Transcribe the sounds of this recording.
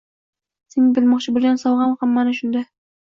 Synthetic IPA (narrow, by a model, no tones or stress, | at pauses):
seŋɪbɪlmɒqt͡ʃʰɪbolˠɡʲansɒwʁɑmhamːanaʃʊnd̪a